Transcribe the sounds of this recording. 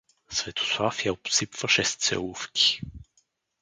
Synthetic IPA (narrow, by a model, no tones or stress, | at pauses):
svɛt̪ʰo̥swafijaopsipvəʃɛst̪sɛ̰lˠufkʰʲi̥